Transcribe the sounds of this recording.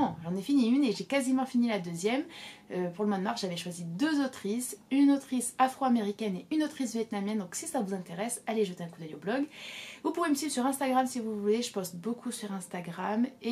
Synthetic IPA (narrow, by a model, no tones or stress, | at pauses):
ʒɑ̃nɛfiniyneʒekazimɑ̃finilad̪øzjɛmøpuʁləmwad̪əmaʁsʒavɛʃwazid̪øzot̪χisynot̪χisafχoameʁikʲɛneynot̪χis̬vjɛt̪̚namjɛnd̪ɔ̃ksisavuzɛ̃t̪eʁɛsaleʒət̪eɛ̃kud̪œjo̰blɔɡvupuveməsɥiblsyʁɛ̃st̪aɡʁamsivuvuleʒəpɔst̪bokʰusyʁɛ̃st̪aɡʁame